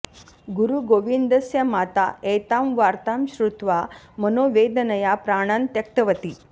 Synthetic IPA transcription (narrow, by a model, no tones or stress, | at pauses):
ɡuɾuɡoʋind̪əsjamat̪aet̪amʋaɾt̪amɕɾut̪ʋa | mənoʋed̪nəjapɾaɽ̃ant̪jək̚t̪əʋət̪iː